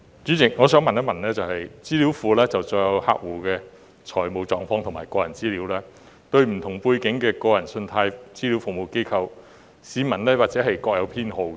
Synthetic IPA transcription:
t͡ʃyː˨˥t͡sɪ˨˩k̚ŋɔː˨˧sœː˨˥ŋmɐ˨njɐ˥mɐ˨nlɛː˥t͡sɐ˨whɐ˨jt͡siː˥li˨˥wfuː˨˧lɛː˥t͡sɐ˨wt͡sɔ˧jɐ˨˧wha̰ː˧k̚wuː˨˩kɛː˧ | t͡ʃʰɔː˨˩jmo˨˧wt͡sɔː˨˧ŋfɔː˧ŋt̪ʰʊ˨˩maː˨˩jkɔː˧jɐ˨˩nt͡siː˥liː˨˧˥wlɛː˥ | t̪ɵ˧ɥm̩˨˩t̪ʰʊ˨˩ŋpuː˧jkɪ˨˥ŋkɛː˧kɔː˧jɐ˨˩nsɵ˧nt̪ʰaː˧jt͡siː˥li˨˥wfʊ˨ŋ̚mo˨˧wke˥jkʰɐ˧w | siː˨˧mɐ˨˩nlɛː˥waː˨k̚t͡sɛː˨˥hɐ˨jkɔː˧k̚jɐ˨˧wpʰiː˥nho˧wkɛ˧

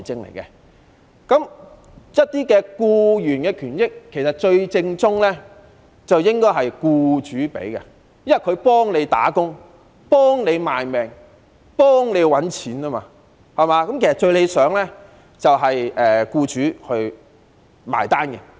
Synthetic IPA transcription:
jt͡sɪ˧ŋlḛ˨˩jkɛ˧ | kɐ˨˥m | jɐ˥t̚t̪iː˥kɛː˧kuː˧jyː˨˩nkɛː˧kʰyː˨˩njɪ˥kʰːe˨˩jsɐ˨t̚t͡ʃɵ˧ɥt͡sɪ˧ŋt͡sʊ˥ŋlɛ˥ | t͡sɐ˨wjɪ˥ŋkɔː˥jɦɐ˨jkuː˧t͡ʃyː˨˥pḛ˨˥jkɐ˧ | jmɐ˨kʰɵ˨˧ɥpɔː˥ŋle˨˧jt̪a̰ː˨˥kʊ˥ŋ | pɔː˥ŋne˨˧jmaː˨jmɛː˨ŋ | pɔː˥ŋle˨˧jwɐ˨˥nt͡sʰiː˨˥naː˥ma̰ː˧ | hɐ˨˩maː˨˧kɐ˨˥mkʰe˨˩sɐ˨˩t͡ʃɵ˧ɥle˨˧sœː˨˥ŋlɛː˥ | t͡sɐ˨wɦɐ˨jʔɛː˨kuː˧t͡ʃyː˨˥hɵ˧ɥ | ma̰ː˨jt̪aː˥nkɛ˧

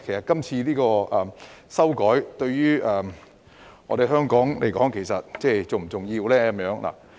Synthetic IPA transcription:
kʰe˨˩jsɐ˨t̚kɐ˥mt͡sʰiː˧liː˥kɔː˧ʔɐ˨sɐ˥wkɔː˨˥jt̪ɵ˧ɥɥyː˥ɛː˨˩ | ŋʔɔ̰ː˧d̪e˨jɦœː˥ŋkɔː˨˥ŋlḛ˨˩jkɔ̰ː˨˥ŋkʰe˨˩jsɐ˨t̚t͡sɛː˥˩t͡so˨m̩˨˩t͡sʊ˨ŋjiː˧wlɛː˥kɐ˨˦mjœː˨˥ŋlʔa̰ː˨˩

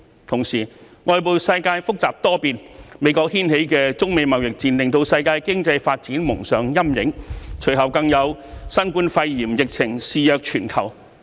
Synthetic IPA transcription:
t̪ʰʊ˨˩ŋsiː˨˩ | ŋɔː˨˧jp̬o˨wsɐ˧jkaː˧jfʊ˥k̚t͡saː˨˩p̚t̪ɔː˥piː˨˩nme˨˧˥jkɔː˧k̚hiː˥nhe˨˥jkɛː˧t͡sʊ˥ŋme˨˧jmɐ˨wjɪ˨k̚t͡siː˧nlɪ˨ŋt̪o˧wsɐ˧jkaː˧jkɪ˥ŋt͡sɐ˧jfaː˧t̚t͡siː˨˥nmʊ˨˩ŋsœː˨ŋjɐ˥mjɪ˨˥ŋt͡ʃʰɵ˨˩ɥhɐ˨˩wkɐ˧ŋjɐ˨˧wsɐ˥nkuː˧˥nfɐ˧jjiː˨˩mjɪ˨k̚t͡sʰɪ˨˩ŋsiː˨˧jœː˨˧k̚t͡ʃʰyː˨˩nkʰɐ˨˩w

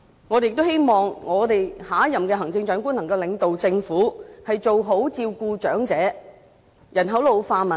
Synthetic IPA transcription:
ŋɔː˨˧te˨jɪ˨k̚t̪whe˥jmɔː˨ŋŋɔː˨˧t̪e˨jhaː˨˥jɐ˨mkɛː˧ɦɐ˨˩ŋt͡sɪ˧ŋt͡ʃœː˨˥ŋku˥nlɐ˨˩ŋkɐ˧wlɪ˨˧ŋt̪o˨wt͡sɪ˧ŋfuː˨˥hɐ˨jt͡so˨wɦo˨˥wt͡siː˧wkuː˧t͡ʃœː˨˥ŋt͡sɛː˨˧˥ | jɐ˨˩nɦɐ˨˥wlo˨˧faː˧mɐ˨˩

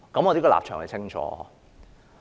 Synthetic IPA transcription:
kɐ˨˥mɔː˨˧t̪e˨˥kɔ˧la̰ː˨p̚t͡ʃʰœː˨˩ŋhɐ˨˩t͡sʰɪ˥ŋt͡ʃʰɔ̰ː˨˧˥

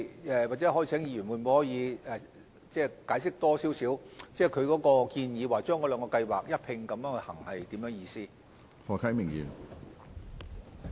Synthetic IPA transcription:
ɛ˨wa˨t͡sɛ˨˥hɔ˨˥jːt͡sʰɛː˨˥ŋjiː˧ɥy˨˩nmwuː˨˩nmu˨˧hɔː˨˥jiː˨˧ɛ˨ | t͡sɛː˥˩kaː˨˥jsɪ˥k̚t̪ɔː˥si˨˥wsiː˨˥wt͡sɛː˥˩kʰɵ˨˧ɥkɔː˨˥kɔː˧kiː˧njiː˨˧waː˨t͡ʃœː˥ŋkɔː˨˧lœː˨˧ŋkɔː˧kɐ˧jwa̰ː˨˩k̚jɐ˥t̚pʰɪ˧ŋkɐ˨˧mjœː˨˥ŋɵ˧hɐ̰˨˩ŋhɐ˨jt̪i˨˥mjœː˨˥ŋjiː˧siː˥ | hɔː˨kʰɐ˨˥jmɪ˨˩ŋjḭː˨˩n

